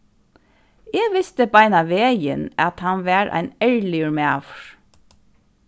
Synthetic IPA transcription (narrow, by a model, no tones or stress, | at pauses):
ɛːɡʋɪst̪əbaɪnaʋeːjə̰nɑt̪hɑnʋæːɹʔæ̰ɪnɛɹlɪɹmæːʋɹ